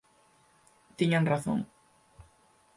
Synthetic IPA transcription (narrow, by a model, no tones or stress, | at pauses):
t̪iɲaŋraθo̰ŋ